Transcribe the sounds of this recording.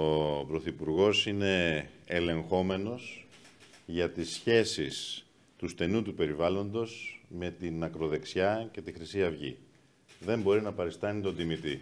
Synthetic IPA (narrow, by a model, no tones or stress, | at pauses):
opɾo̞θipuɾɣo̞sine̞ːle̞ŋxo̞me̞no̞s | ʝɐt̪isçe̞sis | t̪ust̪e̞nut̪upe̞ɾivɐlo̞nd̪o̞sme̞t̪inɐkɾo̞ðe̞ksçɐce̞t̪ixɾisiɐvʝḭ | ðe̞mbo̞ɾinɐpɐɾist̪ɐnit̪o̞nd̪imit̪i